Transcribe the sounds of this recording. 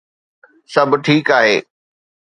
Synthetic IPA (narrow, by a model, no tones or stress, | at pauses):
sɐbʱʈʰiːkaːɦeː